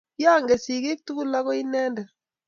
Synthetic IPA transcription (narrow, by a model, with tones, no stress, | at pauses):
jaː˦ŋɡɛ˨si˨ke˦k̚tu˦ɡu˦la˦ɣɔ˦i˦nɛ˦ndɛ˨